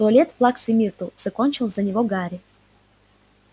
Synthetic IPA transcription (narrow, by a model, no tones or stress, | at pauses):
t̪ʊɐlʲet̪plˠaksʲimʲirt̪uz̥ɐkonʲt͡ɕɪlˠzɐnʲɪvoɡaɾʲɪ